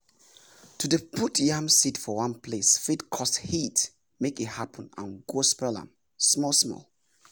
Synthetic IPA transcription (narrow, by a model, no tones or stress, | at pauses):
tʰudəpʰutʰjãmsitfɔwãnpʰlesfitkʰɔsthit | mekithapʰə̃nã̰nɡospɹɛlã̰m | smɔlsmɔ̰l